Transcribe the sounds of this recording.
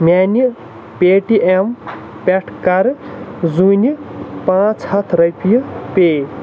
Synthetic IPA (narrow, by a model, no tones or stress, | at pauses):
mʲjani | peʈiʔem | peʈʰkaɾzunipãt͡sʰhat̪ʰɾʌjpijpe